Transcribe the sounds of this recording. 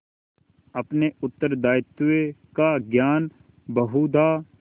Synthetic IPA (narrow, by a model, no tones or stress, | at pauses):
ɐpneʊt̪ːəɾd̪aːɪt̪ːekaɡjaːn | bəɦuːd̪aː